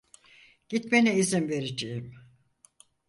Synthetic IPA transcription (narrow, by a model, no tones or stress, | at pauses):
ɟ̥it̪menɛizinve̞ɾed͡ʒejim